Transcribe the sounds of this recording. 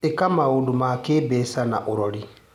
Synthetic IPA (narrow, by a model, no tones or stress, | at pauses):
ekamaudumakebɛsana̰ʔuɾoli